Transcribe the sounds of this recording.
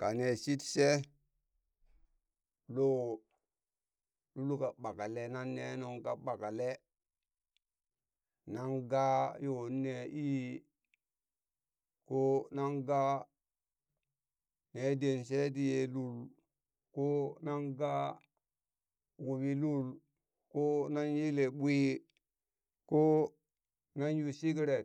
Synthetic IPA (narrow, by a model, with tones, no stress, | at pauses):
ka˨ne˨si˦tse˦ | lo˦ | lu˦lu˦ka˨ɓa˨ka˨le˦na˦nːe˦no˨ŋka˨ɓa˨ka˨le˦ | na˦ŋɡa˦jo˨˦nːe˨i˦ | ko˦na˦nɡa˦ | ne˨˦de˨nse˦t̬i˦je˨lu˦l | ko˦na˦nɡa˦ | wu˨ɓi˦lu˦l | ko˦na˦nji˦le˨ɓʷi˦ | ko˦ | na˦n˦ju˨si˦kɾe˨